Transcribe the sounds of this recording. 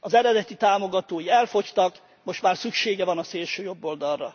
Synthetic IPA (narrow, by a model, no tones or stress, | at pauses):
ɒzɛɾɛd̪ɛt̪it̪aːmo̞ɡɒt̪oːjiɛlfo̞ct̪ɒk | moʃt̪maːrsykʃeːɡɛvɒnɒseːlʃøːjo̞bːo̞ld̪ɒrrɒ̰